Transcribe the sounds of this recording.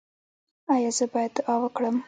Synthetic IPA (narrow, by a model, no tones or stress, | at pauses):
ajɑzəbɑjad̪ɑwəkɽəm